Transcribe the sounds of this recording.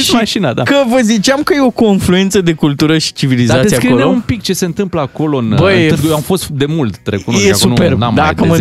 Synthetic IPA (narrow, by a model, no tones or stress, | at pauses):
ʃimaʃinad̪a̰kəvəzit͡ʃamkəjeo̞ko̞nflue̞nt̪səd̪ekult̪uɾəʃi̥t͡ʃivilizat̪esiakɾeold̪eoumpik̚t͡ʃe̞se̞ɨnt̪ɨmpləako̞lo̞ɨnbəjjamfo̞st̪d̪e̞mult̪ːɾekut̪ujeaksunperna̰md̪akəmə